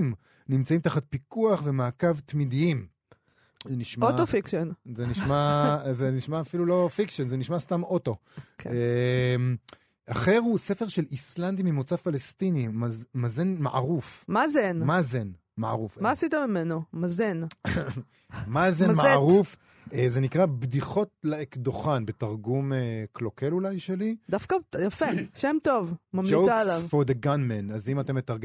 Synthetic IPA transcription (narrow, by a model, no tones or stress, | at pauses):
m | nimt͡saimt̪aχat̪̚pikuaχvemaːkavt̪mid̪iim | zeniʃmotofikʃonzeniʃmazeniʃmaːfilulo̞fikʃonzeniʃmast̪amo̞to̞kem | ʔaχeʁuse̞fe̞ʁʃe̞lisland̪imimot͡safalest̪inimamazenmaʔa̰ʁufmazenmazen | ma̰a̰ʁufmaːsit̪emimenomazen | mazemmaʁuf | ezenikʁabdiχo̞t̚leekdoχanbetaʁɡumeklo̞kelulajʃe̞lid̪afkajafeʃemt̪ovmamioalavfoʁd̪eɡanmenazimatemːetaʁɡe